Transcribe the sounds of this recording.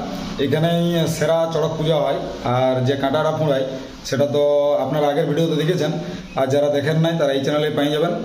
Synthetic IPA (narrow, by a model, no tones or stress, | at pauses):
ejkʰanejseɾat͡ɕɔɽɔk̚pud͡ʑʱaɦɔj | aɾd͡ʑekãʈaʈapʰũɽaj | ʃeʈat̪oapnaɾaɡeɾbʱiɖijot̪od̪ikʰet͡ɕʰen | aɾd͡ʑaɾad̪ekʰenːajt̪aɾaejt͡ɕɛneleɾpajid͡ʑaben